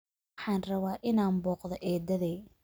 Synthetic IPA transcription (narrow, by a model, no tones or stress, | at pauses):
ħɑːnrɐβaːʔɪnaːnbɔːqðɔʔɛːd̪ɐðɛː